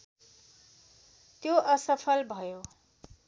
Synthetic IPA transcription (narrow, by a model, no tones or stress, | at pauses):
t̪joʌsʌpʰʌlbʱʌjo